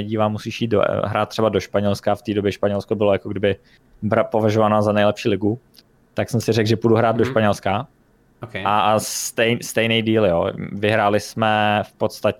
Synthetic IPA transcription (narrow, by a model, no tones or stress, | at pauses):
ɛɟiːvaːmusiːʃjiːt̪̚d̰ɦɾaːt̪t̪ːr̥ɛbadoʃpaɲɛlskaft̪iːdobjɛʃpaɲɛlskobɪlojakoɡdɪbɪ | bɾapo̞vaʒovanaːzanɛjlɛpʃiːlɪɡu | t̪aksɛmsɪrɛɡʒɛpuduɦɾaːd̪̚doʃpaɲɛlska | okɛast̪ɛjst̪ɛjnɛjdiːljo̰ːvɪɦɾaːlɪsmɛfpot̪st̪ac